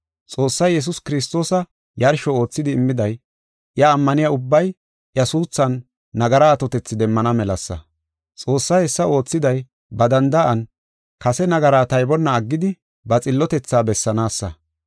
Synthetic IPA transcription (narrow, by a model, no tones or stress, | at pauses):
t͡sʼo̞ːsːɐjjɛs̬ʊskɪɾɪs̬t̪o̞ːsɐ | jɐɾʃɔo̞ːt͡sːɪd̪ɪɪmːɪd̪ɐj | ʔjɐːmːɐnɪjɐʊbːɐj | ʔjɐsuːt͡sːɐnː | ɐɡɐɾaːt̪ɔt̪ɛt͡sːɪd̪ɛmːɐnɐmɛlɐsːɐ̰ | t͡sʼo̞ːsːɐjɛsːɐo̞ːt͡sːɪd̪ɐj | bɐd̪ɐnd̪ɐʔɐn | kɐsɛnɐɡɐɾaːt̪ɐjbɔnːɐːɡːɪd̪ɪ | bɐt͡sʼɪlːɔt̪ɛt͡sːaːbɛsːɐnaːsːɐ̰